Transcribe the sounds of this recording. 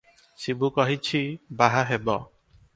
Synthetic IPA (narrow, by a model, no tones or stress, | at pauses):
sibukɔɦit͡ʃʰibaɦaɦebɔ